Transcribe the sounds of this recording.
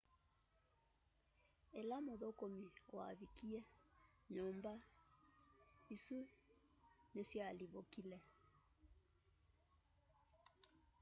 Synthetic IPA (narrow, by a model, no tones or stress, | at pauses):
ɛlamoðɔkɔmiwa̰vikiɛɲɔmba | isu | nɛsialiβɔkilɛ